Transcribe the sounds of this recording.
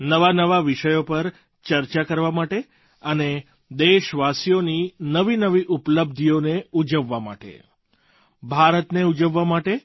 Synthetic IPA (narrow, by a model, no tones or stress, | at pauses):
nəʋanəʋaʋiʃəjopəɾ | t͡ʃəɾt͡ʃakəɾʋamaʈe | əne | d̪eʃʋasijoninəʋinəʋiʔupləb̚d̪ʱijoneud͡ʒəʋːama̰ʈḛ | bʱaɾət̪neud͡ʒəʋːamaʈe